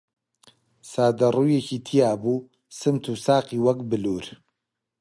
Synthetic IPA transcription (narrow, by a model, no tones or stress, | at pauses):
saːd̪ɐruːjeciːt̪ʰijaːbuː | sɨmt̪ʰuːsaːqiːwɐkbɨluːɾ